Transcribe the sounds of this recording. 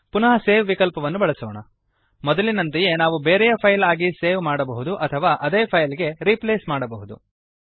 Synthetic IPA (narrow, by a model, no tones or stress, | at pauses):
punɐɦɐseːʋʋikɐlpɐʋɐnːubɐɭɐsoːɳɐ | mɔd̪ɐlinɐnt̪ɐje̞naːʋubeːɾɛjɐpʰɐjlaːɡiseːʋmaːɽɐbɐɦud̪uʔɐt̪ʰɐʋaːʔɐd̪eːpʰɐjliɡe̞ɾipleːsmaːɽɐbɐɦud̪ṵ